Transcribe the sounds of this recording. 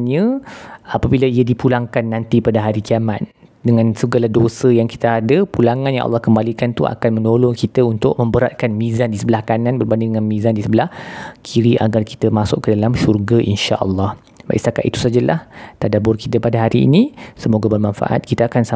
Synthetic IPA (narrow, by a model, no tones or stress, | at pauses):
nɲə̃apabiləiədipulaŋkanːãnt̪ipadaɦaɾikiamat̪̚ | dəŋãnsəɡalahdosəjaŋki̥t̪aadəpulaŋãnjã̰ŋʔɑ̰lːɑhkəmbalikant̪ua̰kanmə̃nolʊŋkit̪əunt̪ʊʔ̚mə̃mbəɾa̰t̪̚kanmĩzandisəbəlahkanãnbərbandɪdəŋãnmĩzandisəbəlahkʰiɾiʔa̰ɡarki̥t̪əmasʊʔkːədalamʃurɡaʔḭnʃa̰ʔəlːɑh | ba̰ʔḭʔst̪aka̰t̪it̪u̥sad͡ʒala̰ht̪adabʊrkit̪əpadaɦaɾḭːnisəmoɡabərmãnfa̰ʔa̰t̪̚kit̪əakansa